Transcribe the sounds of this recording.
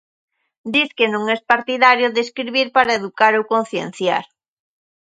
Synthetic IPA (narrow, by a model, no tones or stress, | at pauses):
d̪iθkenũŋɛspaɾt̪iðaɾjoðeskɾiβiɾpaɾaeðukaɾowkonθjḛn̟θja̰ɾ